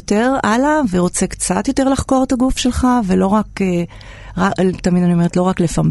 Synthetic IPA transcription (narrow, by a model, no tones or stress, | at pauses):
teʁalaveʁo̞t͡se̞kt͡sat̪jo̞te̞ʁlaχko̞ʁet̪aɡufʃe̞lχavelo̞ʁake | ʁat̪amidanio̞me̞etlo̞ʁakle̞fam